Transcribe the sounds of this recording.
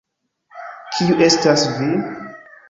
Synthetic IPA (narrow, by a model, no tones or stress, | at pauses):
kʰiuʔe̞stasvi